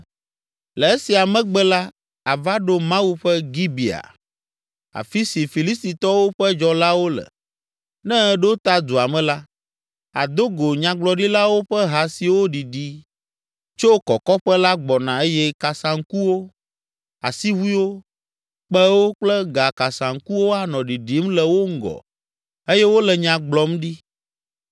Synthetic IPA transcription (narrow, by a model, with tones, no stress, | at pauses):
lɛ˨e˦si˨a˨mɛ̃˦ɡ͡bɛ˦la˦ | a˨va˦ɖo˦mã˦wu˦ɸɛ˦ɡi˦bi˨a̰˨ | a̰˨fi˦si˨fi˨li˦st̪i˨t̪ɔ˦wo˦ɸɛ˦d͡ʒɔ˦la˦wo˦lɛ̰˨ | nɛ̃˦ɖe˦o˦t̪a˦d̪u˨a˨mɛ̃˦la˦ | a˨d̪o˦ɡo˨ɲã˨ɡ͡blɔ˨ɖi˦la˦wo˦ɸɛ˦ɦa˨si˨wo˦ɖi˨ɖi˦ | t͡ʃo˦kɔ˨kɔ˦ɸɛ˦la˦ɡ͡bɔ˨nã˨e˦jɛ˦ka˨sã˨ŋ̩˦ku˦wo˦ | a̰˨si˦ɦu˦i˦wo˦ | k͡pɛ˦wo˦k͡plɛ˦ɡa˨ka˨sã˨ŋ̩˦ku˦wo˦a˨nɔ̃˨ɖi˨ɖi˨˦mlɛ˨wo˦ŋ̩˦ɡɔ̰˨ | e˦jɛ˦wo˦lɛ˨ɲã˨ɡ͡blɔ˦mɖi˦